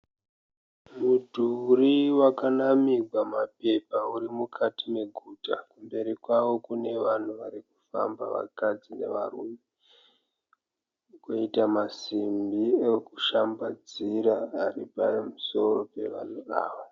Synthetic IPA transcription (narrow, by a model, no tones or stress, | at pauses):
mudʱuriwakanamiɡʱwamape̞pauɾimukʰatime̞ɡʱuːta̰kumbe̞ɾikwaʋo̞kune̞ʋan̤uʋaɾiku̥fa̰mba̰ʋa̰kad͡zine̞̰ʋa̰rume | koitamasimbiekuʃambad͡ziɾaːripamuso̞ro̞pe̞̰ʋa̰n̤uʋa̰ːʋo